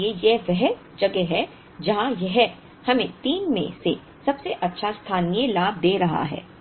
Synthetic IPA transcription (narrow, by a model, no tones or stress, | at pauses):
ejɛʋɛɦ | d͡ʒɐɡɛɦɛ | d͡ʒɐɦãjɛɦɛ | hɐmẽt̪iːnmḛ̃se | sɐbseʔɐtːʃʰast̪ʰaːnijelaːb̚d̪eːɾɐɦa̰ɦɛ̰ː